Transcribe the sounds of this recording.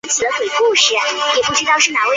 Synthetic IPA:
nt͡ɕʰi˨˩ə˦kwe˨˩ɪku˥˩ɕɻɛ˨˩˦njɛ˨˩pu˥˩ʈ͡ʂɻ̩˥t̪ɑ˥˧ʊʂɻ̩˥˩na˨˩we˥˩

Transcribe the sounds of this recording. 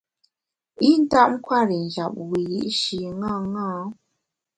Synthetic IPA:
i˦n̩˦ta˦˨ʔ̚ŋ̩˦kʰwa˦˨ɾi˨ŋ˨d͡ʒa˨p̚wi˨ji˦ʔʃi˨ŋã˦˨ŋã˦

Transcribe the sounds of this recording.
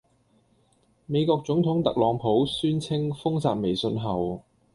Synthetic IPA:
me˨˧jkɔː˧k̚t͡sʊ˨˥ŋt̪ʰʊ˨˥ŋt̪ɐ˨k̚lɔː˨˧ŋpʰo˨˥wsyː˥nt͡sʰɪ˥ŋfʊ˥ŋsaː˧t̚me˨˩jsɵ˧nɦɐ˨w

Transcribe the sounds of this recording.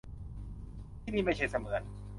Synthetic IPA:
niː˥˩ma˥˩t͡ɕʰa˦˥˩sa˧mɯ˨˦n̚

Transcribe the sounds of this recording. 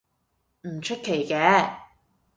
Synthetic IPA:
m̩˨˩t͡ʃʰɵ˥t̚kʰːe˨˩jkɛː˨˥

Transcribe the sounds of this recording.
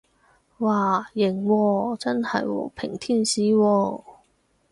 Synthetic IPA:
waː˨˩jɪ˨˩ŋwɔː˧t͡sɐ˥nhɐ̰˨jwɔ̰˨˥pʰɪ˨˩ŋt̪ʰiː˥˩nsiː˨˥wɔː˧

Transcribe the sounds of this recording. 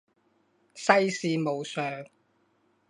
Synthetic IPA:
sɐ˥jsiː˨˧mo˨wsœː˨ŋ

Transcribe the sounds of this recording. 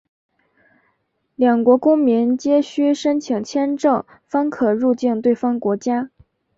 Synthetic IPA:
ljɑ˨˩ŋkwɔ˧˥kʊ˥ŋmi˧˥nt͡ɕjɛ˥ɕy˥ʂə˥nt͡ɕʰi˨˩ŋt͡ɕʰjɛ˥nʈ͡ʂɤ˥˩ŋ | fɑ˥ŋkʰɤ˨˩ɻu˥˧t͡ɕi˥˧nt̪we˥˩ɪfɑ˥ŋkwɔ˧˥t͡ɕja˥

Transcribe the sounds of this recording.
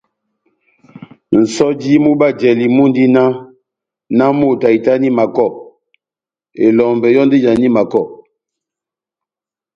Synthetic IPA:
n̩˨sɔ˦d͡ʒi˦mu˦ba˦˨d͡ʒɛ˨li˨mu˦n˦di˦na˦ | na˦mu˦˨ta˨i˨ta˦ni˦ma˨kɔ˦˨ | e˨lɔ˨mbɛ˨jɔ˦n˦de˦d͡ʒa˨ni˦ma˨kɔ˦˨

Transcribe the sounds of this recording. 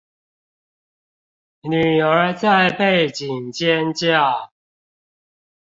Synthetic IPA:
ny˨˩ə˞˨˧˥t͡sa˥˨ɪpe˥˨ɪt͡ɕi˨ŋt͡ɕjɛ˦nt͡ɕja˥˨

